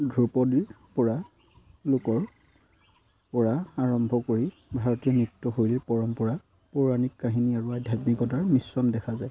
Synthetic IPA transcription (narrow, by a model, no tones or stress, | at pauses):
dʱupɔdiɹ | pɔɹa | lʊkɔɹ | pɔɹaaɹɔmbʱɔkoɹi | bʱaɹɔtiɔnutːɔɦojlɛpɔɹɔmpɔɹa | puɹanikːaɦiniaɹuadʱjatmikɔtaɹmisːɔndɛkʰazaj